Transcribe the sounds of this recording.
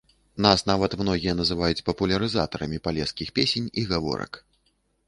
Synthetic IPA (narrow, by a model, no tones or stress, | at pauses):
nasnavɐt̪mnɔɣʲijɐnɐzɨvajut͡sʲpɐpulʲɐɾɨzat̪ɐɾɐmʲipalʲɛskʲixpʲesʲenʲiɣavɔ̰ɾɐ̰k